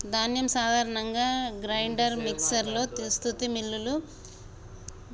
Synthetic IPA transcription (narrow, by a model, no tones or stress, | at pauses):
d̪ʱaːnjɐmsaːd̪ʱaːɾɐɳɐŋɡaːɡɾɐjɳɖɐɾmiksɐɾlo̞ːt̪ist̪ʰut̪imilːulu